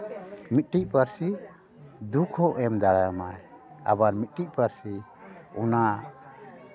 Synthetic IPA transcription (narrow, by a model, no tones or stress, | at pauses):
mit̪̚ʈic̚ˀpaɾsi | d̪ukʰɔʔɛmd̪aɽajamaj | a̰baɾmit̪̚ʈic̚ˀpaɾsiɔna